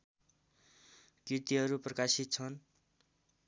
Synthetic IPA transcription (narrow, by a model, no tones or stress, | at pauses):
kiɾt̪iɦʌɾuprʌkasit̪̚t͡sʰʌn